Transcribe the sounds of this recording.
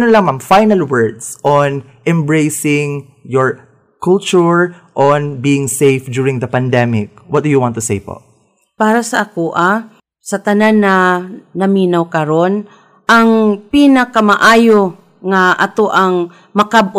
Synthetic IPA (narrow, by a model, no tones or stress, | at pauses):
nolɐŋmamfajnɐlwɛɹd̪sʔɔn | ʔɛmbɹejsɪŋ | jɔɹ | kult͡ʃʊɹ | ʔɔnbiːɪŋsejfd̪uːɹɪŋd̪ɐpɐnd̪ɛmɪk̚wɐt̪̚d̪ʊjʊwãnt̪ːʊsejpo̰ | paːɾɐsɐʔɐkuʔa | sɐt̪ɐnanːɐnɐmiːnawkɐɾon | ʔɐŋpinɐkɐmɐʔaːjo | ŋɐʔɐt̪oʔɐŋ | mɐkab̚o